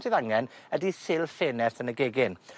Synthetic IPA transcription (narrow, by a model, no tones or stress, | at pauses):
sʰiðaŋɛnədisɪlˠfeːnɛrθənəɡeɡɪn